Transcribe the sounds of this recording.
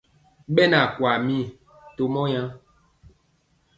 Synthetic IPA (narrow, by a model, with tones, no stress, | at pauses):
ɓɛ˦na˨kwa˨mĩ˦˨ | to˦mɔ̃˦jã˦